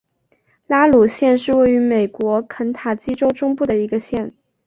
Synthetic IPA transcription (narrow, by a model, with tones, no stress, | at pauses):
la˥lu˨˩ɕjɛ˥˧nʂɻ̩˥˧we˥˩ɪy˧˥me˨˩ɪkwɔ˧˥kʰə˧˥nt̪ʰa˨˩t͡ɕi˥ʈ͡ʂo˥ʊʈ͡ʂʊ˥ŋpu˥˩d̪ə˩i˧˥ɡə˧ɕjɛ˥˩n